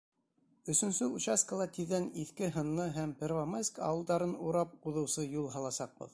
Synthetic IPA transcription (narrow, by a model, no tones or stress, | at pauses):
ɵ̆sɵ̆nsɵut͡ɕaskəlˠɑt̪iðːæniθkɘɦɤ̆nːɤɦæmpʲervamaskɑ̰wɤ̆lˠd̪ɑɾɤnuɾɑp̚uðɤ̆wsɤjulˠɦɑlˠɑsɑq̚bɤ̰ð